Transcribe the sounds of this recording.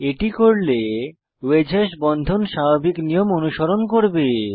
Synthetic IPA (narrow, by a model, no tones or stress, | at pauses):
eʈikoɾle | wed͡ʑʱaʃbɔnd̪ʱonʃababiknijomonuʃoɾonkoɾbe